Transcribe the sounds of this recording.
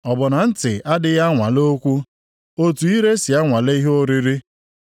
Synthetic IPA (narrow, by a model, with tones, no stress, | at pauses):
ɔ˨bʊ˨na˨n̩˦tɪ̰˨a˦dɪ˦ɣa˦ŋʷa˨lo˦kʷu˦ | o˦tu˨i˦ɾe˦si˨a˦ŋʷa˨le˦i˦ɦo˦ɾi˦ɾi˦